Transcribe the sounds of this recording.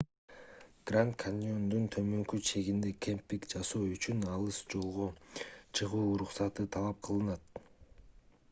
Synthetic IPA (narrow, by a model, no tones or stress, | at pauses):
ɡ̥rant̪kʰanʲiond̪unt̪ʰø̞mø̞ŋkyt͡ʃʰe̞ɡind̪e̞kʰʲempːikd͡ʒɑsoːyt͡ʃynɑlˠɯsd͡ʒo̞lˠʁo̞t͡ʃʰɯʁuːɾuqsɑt̪ɯt̪ʰɑlˠɑp̚qʰɯlˠɯnɑt̪